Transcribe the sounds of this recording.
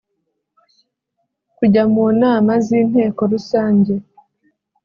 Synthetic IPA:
kuɟamuːnaːmaziːn̥he̞ːko̞ɾusaːɲɟe̞

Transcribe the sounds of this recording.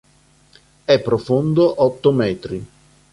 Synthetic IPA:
ɛpːɾofond̪oʔɔt̪ːomɛːt̪ɾi

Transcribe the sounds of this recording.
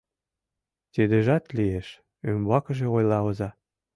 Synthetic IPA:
t̪id̪ĕʒɑt̪lieʃ | ømβɑkə̆ʒĕojlɑɤ̆zɑ

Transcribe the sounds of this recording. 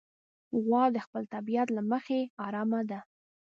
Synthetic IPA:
ɣwɑd̪əxpəlt̪abijat̪laməxeɑɾɑmad̪a

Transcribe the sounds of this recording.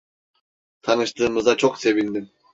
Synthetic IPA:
t̪ʰɑnɯʃt̪ɯmɯzd̪ɑt͡ʃʰoqse̞βind̪im

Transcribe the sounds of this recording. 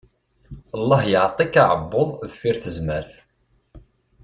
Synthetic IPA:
əlˤːɑhjəʕt̪ˤikːaʕəbːʊðˤðfiɾθəzməɾθ

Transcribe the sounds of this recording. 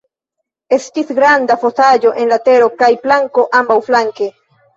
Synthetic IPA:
e̞stisɡɾandafo̞sad͡ʒo̞ʔe̞nlat̪e̞ɾo̞kajplaŋko̞ʔambawflaŋke̞

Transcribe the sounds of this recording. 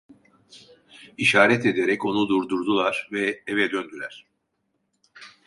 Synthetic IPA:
iʃaːɾɛt̪ʰed̪eɾɛco̞nud̪uɾd̪uɾd̪ulˠaɾ̥vɛevɛd̪ønd̪ylʲæɾ̥

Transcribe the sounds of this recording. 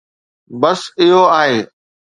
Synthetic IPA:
bɐsɪɦoaːɦeː

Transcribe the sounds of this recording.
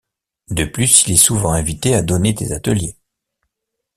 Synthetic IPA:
d̪əplysilɛsuvɑ̃ɛ̃vit̪ead̪ɔnet̪ḛzat̪əlje

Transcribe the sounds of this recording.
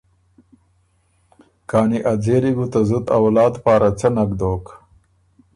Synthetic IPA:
kɑːniʔad͡zeɾiɡut̪azut̪a̰wlɑːd̪pɑːɾat͡sanakd̪oːk

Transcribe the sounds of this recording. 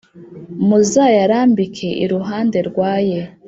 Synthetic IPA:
muzajaɾaːmbikʰe̞ʔḭɾuɦaːnde̞ɾɡwaːje

